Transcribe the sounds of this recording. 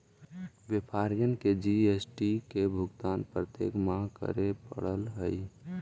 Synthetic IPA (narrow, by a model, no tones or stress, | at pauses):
ʋjepʰaːɾjənked͡ʒiesʈikebʱʊɡt̪aːnpɾət̪jḛːkmãkə̰ɾepə̰ɽəlɦəi